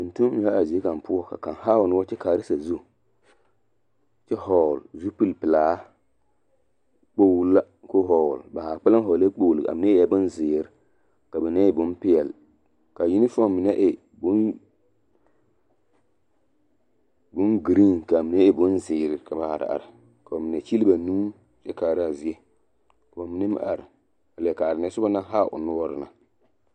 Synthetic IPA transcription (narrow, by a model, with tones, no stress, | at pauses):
ʊ˨n˨tu˦m˦ɲi˨a˦a˨zi˨˦e˦ka˨m˨pʊ˦ɔ˦ka̰˨ka˨nha˦wʊ˨n˦wɔ˦t͡ʃɛ˦kaː˨ɾɪ˦sa˨zu˦ | t͡ʃɛ˦ɦɔ˨lzu˦pi˦lpɨ˨laː˦ | k͡po˦wlːa˦ | ko˦ɦɔ˨lba˨ha˨k͡pa˦la˦ɦɔ˨le˦k͡po˦˨lɪ˨a̰˨mɪ˦na˦ja˦bʊ˦nzɪː˨ɾɪ˦ | ka˨bɛ˨na˦ɪ˨bʊ˦npɪ˦jɛ˨l | ka˨ji˦nɪ˦fɔ˦˨mɪ˨nɛ˦ʔɪ˨ | bʊ˦n | bʊ˦nɡi˨ɾi˦ŋka˨mɪ˨n˦ɛ˦ɪ˨bʊ˦nzɪː˨ɾɪ˨ka˨ba˨ha̰˨ɾɪ̰˨a̰˨ɾɪ˨ | ka˨o˨mi˨nɛ˨t͡ʃi˦li˦ba˨nuː˦ | jɛ˦kaː˨ɾa˨zi˨˦ɛ˦ | ka˨a˨mɪ˨nɪ˦m̰˨ʔa̰˨ɾɪ˨ | a˨lka˨a˨ɾɪ˨nɛ˨˦sʊ˦ba˦na˦ɦa˦˨ʔʊ̰˨nʊ˦wɔ˦ɾɪ˨na˨